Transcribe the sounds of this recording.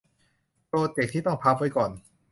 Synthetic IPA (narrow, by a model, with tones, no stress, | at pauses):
pɾoː˧t̪e˨˩k̪̚ʰiː˥˩t̪ɔ˥˩ŋpʰa˦˥p̚wa˦˥jkɔː˨˩n